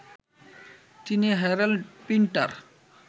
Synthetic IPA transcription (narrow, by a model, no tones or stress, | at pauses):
t̪iniɦɛɾalpiɳʈaɾ